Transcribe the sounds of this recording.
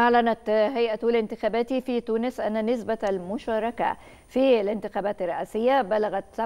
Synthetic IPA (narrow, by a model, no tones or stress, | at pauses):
ʔaʕlænæt̪ɦajʔat̪olɪnt̪ɪxæːbæːt̪ifiːt̪uːnɪsʔa̰nːanɪsbaælmʊʃɑːɾˤɑka̰ | filɪnt̪ɪxæːbæːt̪ɪrːɑʔæːsɪjːabælaɣæt̪sa